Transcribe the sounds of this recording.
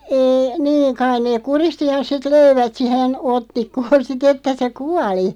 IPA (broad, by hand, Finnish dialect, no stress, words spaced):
eːi niːŋ kɑin neːk̆ kuristi jɑ sit løiʋæt sihen otːikːoːn sit etːæ se kuɑli